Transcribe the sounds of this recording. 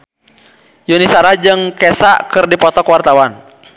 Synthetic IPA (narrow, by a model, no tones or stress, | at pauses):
junisaɾad͡ʒɨŋkɛsaʔkɨrdipɔt̪ɔkwart̪awan